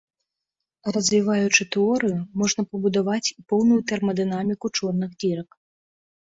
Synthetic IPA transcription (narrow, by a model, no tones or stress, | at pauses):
rɐzʲvʲivajut͡ʂɨt̪ɛɔɾɨjumɔʐn̪ɐpɐbud̪avat͡sʲipɔwnujut̪ɛrmɐd̪ɨnamʲikut͡ʂɔrnɨɣd̪ʲiɾɐk